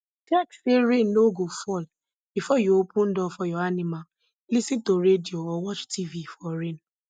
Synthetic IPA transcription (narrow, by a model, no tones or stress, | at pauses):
tɛkseɾennoɡofɔl | b̥ifɔjoopũn̩dɔfɔjɔanimal | lisĩntoɾedioɔwɔt͡ʃtivifɔɾen